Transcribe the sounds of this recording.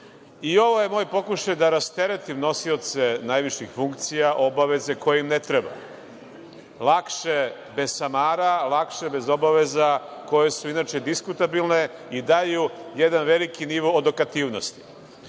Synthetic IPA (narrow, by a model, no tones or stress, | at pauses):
io̞ʋo̞je̞mo̞ːjpo̞kuʃajd̪aɾast̪eɾet̪imno̞siot̪se̞najʋiʃɲixfuŋkt̪sijaʔo̞baʋe̞ze̞ko̞jeimnet̪ɾeba̰ | lˠakʃe | be̞zsamaːɾalˠakʃebe̞zo̞baʋezako̞je̞suinaːt͡ʃed̪iskut̪abilˠne̞ | id̪ajujed̪anʋelikiniʋoːd̪okat̪iːʋnost̪i̥